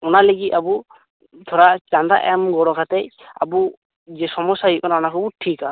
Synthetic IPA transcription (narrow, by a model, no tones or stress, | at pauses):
ɔnaleɡit̪̚abu | t̪ʰɔɾaʔt͡ʃanɾa̰ʔɛmɡɔɽɔkʰat̪ɛj | a̰bu | d͡ʒɛsɔmɔsaɦit̪̚kɔnanakʰɔbuʈʰika